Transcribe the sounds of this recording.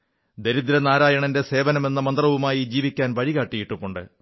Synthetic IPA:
d̪e̞ɾud̪iɾɐnaːɾaːjɐɳɐnde̞se̞ːʋɐnɐme̞nːɐmɐnd̪rɐʋumaːjid͡ʑiːʋikʲːaːnʋɐɻiɣaːʈːijiʈːumːuɳɖɨ

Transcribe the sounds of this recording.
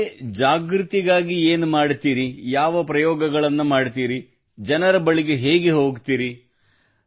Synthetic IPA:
d͡ʒaːɡɾɨt̪iɡaːɡieːnumaːɖt̪iːɾijaːʋɐpɾɐjɔːɡɐɡɐɭɐnːumaːɖt̪iːɾi | d͡ʒɐnɐɾɐbɐɭiɡe̞ɦe̞ːɡeɦo̞ːɡt̪iːɾi

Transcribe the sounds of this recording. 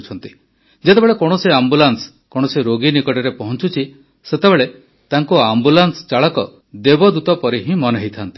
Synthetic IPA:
t͡ʃʰɔnt̪i | d͡ʒet̪ebeɭekɔɽ̃ɔsiambulans | kɔɽ̃ɔsiɾoɡinikɔʈɔɾepɔɦɔnt͡ʃut͡ʃʰi | set̪ebeɭe | t̪aŋkuambulanst͡ʃaɭɔkɔ | d̪ebɔd̪ut̪ɔpɔɾiɦĩmɔneɦit̪ʰant̪i̥

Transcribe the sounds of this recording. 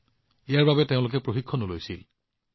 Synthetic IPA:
ijaɹbabɛtẽʊ̃lʊk̬ɛpɹoxikʰːɔnolojsil

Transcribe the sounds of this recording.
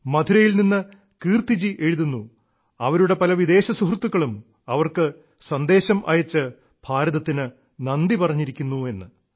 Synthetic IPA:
mɐd̪ʰʱuɾɐjilninːɨ | kiːrt̪id͡ʑiʔe̞ɻuðunːu | ɐʋɐɾuɽe̞pɐlɐʋid̪e̞ːɕɐsuɦrt̪ːukːɐɭum | ɐʋɐrkɨ | sɐnd̪e̞ːɕɐmʔɐ̰jɐt͡ɕːɨ | b̥ʱaːɾɐðɐt̪ːinɨ | nɐnd̪ipɐrɐɲːiɾikʲːunːue̞nːɨ

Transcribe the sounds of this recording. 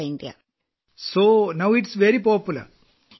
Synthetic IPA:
iɳɖija̰ | soːnɐwiʈsʋeɾipoːpjulɐ̰ɾ

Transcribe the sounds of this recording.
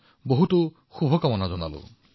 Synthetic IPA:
boɦuto | xubʱɔkamɔnazɔna̰lo̰

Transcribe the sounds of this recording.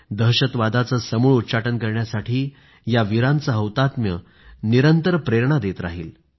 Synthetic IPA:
d̪əɦɕət̪ʋad̪at͡səsəmuːɭut̪ːt͡ɕaʈənkəɾɳjasaʈʰiː | jaʋiɾãnt͡səɦəwt̪at̪mjə | niɾənt̪əɾpɾeɾɳad̪et̪ɾa̰ɦiːl

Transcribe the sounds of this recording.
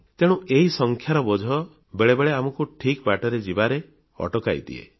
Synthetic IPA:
t̪eɽ̃ũeɦisɔŋkʰjaɾɔbɔd͡ʒʱɔ | beɭebeɭeamɔkuʈʰikbaʈɔɾed͡ʒibaɾe | ɔ̰ʈɔkajt̪ḭḛ

